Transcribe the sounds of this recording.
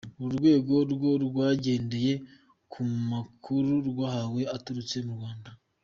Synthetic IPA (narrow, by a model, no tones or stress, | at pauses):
uɾɡwe̞ːɡo̞ɾɡo̞ɾɡwaːɟe̞ːnde̞je̞ | kʰumakʰuɾuɾɡwaːhawe̞atuɾut͡se̞muɾɡwaːnda